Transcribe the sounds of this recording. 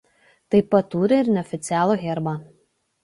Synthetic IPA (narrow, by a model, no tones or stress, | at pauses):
t̪ɐɪpɐt̪ːuːɾʲɪɪɾnʲɛɔfʲɪt̪sʲɪæːlˠoːɣʲɛɾbɑ